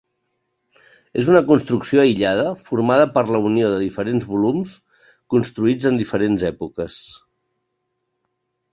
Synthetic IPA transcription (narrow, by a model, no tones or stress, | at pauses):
ezunəkunst̪ɾuksijoəiʎað̞əfuɾmaðəpəɾləunioðəðifəɾenzβulums | kunst̪ɾuid͡zənd̪ifəɾenzɛpukəs